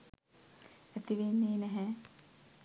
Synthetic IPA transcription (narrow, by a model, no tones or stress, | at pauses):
æt̪iʋenːeːnɛɦɛ